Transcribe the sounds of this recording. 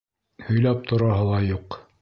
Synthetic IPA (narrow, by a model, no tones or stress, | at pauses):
hɵ̆jlæp̚t̪ʰŏɾɑɦɤlˠɑjuq